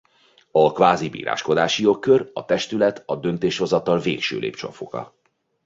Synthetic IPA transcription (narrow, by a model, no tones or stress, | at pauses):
ɒkʋaːzibḭːɾa̰ːʃko̞d̪aːʃijo̞kːørɒt̪ɛʃt̪ylɛt̪ɒd̪ønt̪eːʃho̞zɒt̪ɒlveːkʃø̰ːlʔḛːpt͡ʃo̰fokɒ̰